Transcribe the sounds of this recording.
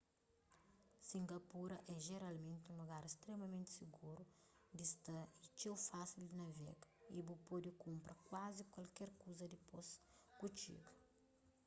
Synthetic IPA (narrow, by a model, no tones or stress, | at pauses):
sĩŋɡɐpuɾɐʔɛʒeɾalmẽnt̪ũluɡaɾest̪ɾemɐmẽnt̪siɡuɾud̪ist̪ɐit͡ʃewfasild̪ɪnɐvɛ̰ɡɐibupod̪ikũmpɾʔɐkwazikwɐlkɛɾkuzɐd̪iposkut͡ʃḭɡɐ